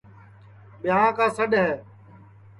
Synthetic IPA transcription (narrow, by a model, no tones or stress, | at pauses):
ɓɪjãːkãːsəɗɦɛː